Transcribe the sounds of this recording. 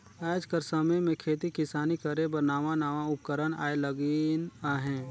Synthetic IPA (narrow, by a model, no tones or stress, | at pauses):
aːd͡ʒkəɾsəməjmẽkʰeːt̪ikɪsaːnikəɾebəɾnaːʋanaːʋaʊp̚kəɾəna̰ːeləɡinaɦɛ̃ː